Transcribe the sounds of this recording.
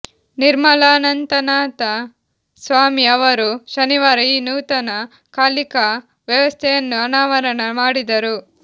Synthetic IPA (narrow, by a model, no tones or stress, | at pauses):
niɾmɐlaːnɐnt̪ɐnaːt̪ɐ | sʋaːmiɐʋɐɾuʃɐniʋaːɾɐiːnuːt̪ɐnɐ | kaːlikɐ | ʋjɐʋɐst̪ʰɛjɐnːuɐnaːʋɐɾɐnɐmaːɽid̪ɐɾu